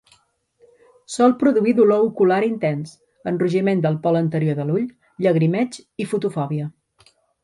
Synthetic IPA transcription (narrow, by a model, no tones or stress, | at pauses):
sɔlˠpɾuðuiðuloukulaɾint̪ɛns | ənruʒimend̪əlˠpɔlənt̪əɾjoðəluʎ | ʎəɣɾimɛt͡ʃifut̪ufɔβiə